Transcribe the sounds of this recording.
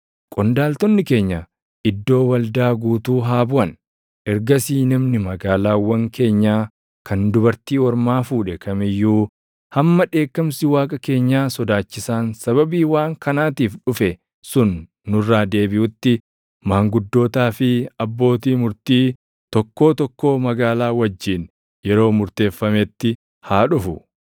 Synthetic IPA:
kʼɔnd̪aːlt̪ɔnːɪke̞ːɲːɐ | ʔɪd̪ːo̞ːwɐld̪aːɡuːt̪uːɦaːbʊʔɐn | ʔɛɾɡɐsiːnɐmnɪmɐɡaːlaːwɐŋke̞ːɲːaː | kɐnd̪ʊbɐɾt̪iːɔɾmaːfuːᶑɛkʰɐmɪjːuː | hɐmːɐᶑe̞ːkːɐmsɪwaːkʼɐke̞ːɲːaːsɔd̪aːt͡ʃːɪsaːnsɐβɐbiːwaːŋkɐnaːt̪iːfᶑʊfɛ | sʊnː | ʊrːaːd̪e̞ːbɪʔʊt̪ːɪ | maːŋɡʊd̪ːo̞ːt̪aːfɪɐbːo̞ːt̪iːmʊɾt̪iː | t̪ɔkːo̞ːt̪ɔkːo̞ːmɐɡaːlaːwɐd͡ʒːiːn | jɛɾo̞ːmʊɾt̪e̞ːfːɐmɛt̪ːɪ | haːᶑʊfʊ

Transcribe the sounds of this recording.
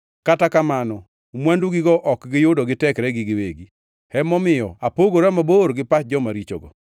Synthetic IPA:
katakamanɔ | mwanduɡɪɡɔʔɔkɡɪjʊdɔɡɪtɛkɾɛɡɪɡɪweɡi | hɛmɔmɪjɔapoɡoɾɛmaboɾɡɪpat͡ʃ̚d͡ʒɔmaɾit͡ʃo̰ɡɔ̰

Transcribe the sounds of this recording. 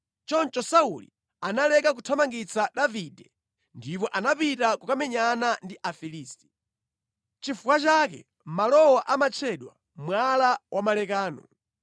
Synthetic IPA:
t͡ʃɔnt͡ʃɔsaulḭ | analɛkak̬utʰamaŋɡit͡saɗavidɛ | ndipɔʔanapitakukamɛɲanandiʔafiliːsti̥ | t͡ʃifukwat͡ʃakɛ̰ | malɔwaʔamat͡ʃʰɛɗwa̰ | mwalawʔamalɛkaːnɔ̰

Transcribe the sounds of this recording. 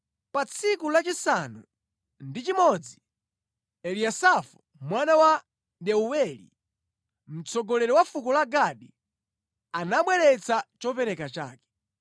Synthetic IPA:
pat͡sʰikulat͡ʃisanu | ndit͡ʃimɔd͡zi | ɛliasafu̥ | mwanawa | ɗɛuwɛlḭ | m̩t͡sɔɡɔlɛɾɛwafukɔlaɡaɗi | anaɓwɛɾɛt͡sʰat͡ʃɔpɛɾɛkat͡ʃa̰ːkɛ̥

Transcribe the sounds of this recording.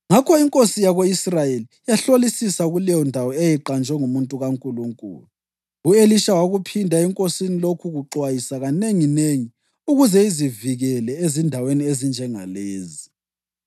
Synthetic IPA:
ŋakʰɔiŋkʼosijaɣoisrajelijaɬolisisaɣulɛjɔndʱawɔejiǃand͡ʒʱwɛŋumuntʼuɣaŋkʼuluŋkʼṵːlu | ueliʃawaɣupʰindʱaɛŋkʼosinilokʰuɣuǃwajisaɣaneŋineŋi | uɣuzɛiziviɣɛlɛezindʱaweniezind͡ʒʱɛŋa̰leːzi

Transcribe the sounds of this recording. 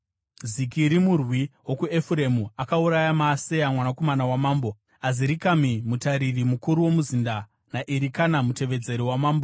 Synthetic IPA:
zikiɾimurwiwo̞kue̞fuɾe̞muakauɾajamaːse̞amwanako̞manawamaːmbo | aziɾikamimutaɾirimukuɾuwo̞muzinda | naʔiɾikanamute̞ʋe̞d͡ze̞ɾiwamaːmbo

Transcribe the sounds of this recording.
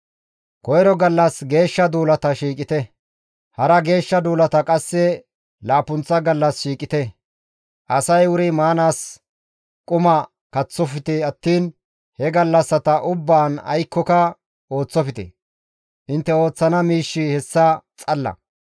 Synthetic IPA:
kɔjɾɔɡɐlːɐsɡe̞ːʃːɐd̪uːlɐt̪ɐʃiːkʼɪt̪ɛ | hɐɾɐɡe̞ːʃːɐd̪uːlɐt̪ɐkʼɐsːɛ | laːpʊnt͡sːɐɡɐlːɐsʃiːkʼɪt̪ɛ | ʔɐsɐjwʊɾɪmaːnaːs | kʼʊmɐ | kɐt͡sːɔfɪt̪ɛɐt̪ːiːn | hɛɡɐlːɐsːɐt̪ɐʔʊbːaːnɐ̰jkːɔkɐ | o̞ːt͡sːɔfɪt̪ɛ̰ | ʔɪnt̪ːɛo̞ːt͡sːɐnɐmiːʃːɪhɛsːɐt͡sʼɐlːɐ̰

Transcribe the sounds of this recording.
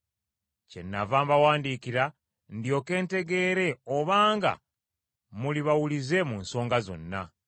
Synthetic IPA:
ce̞nːavaːmbawaːndikiɾa | ndjo̞ke̞ːnte̞ɡe̞ːɾe̞oβaːŋɡa̰ | muliβawulize̞muːnso̞ːŋɡazo̞̰nːa̰

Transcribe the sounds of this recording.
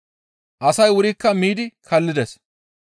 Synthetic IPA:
ʔɐsɐjwʊɾɪkːɐmiːd̪ɪkʰɐlːɪd̪ɛs

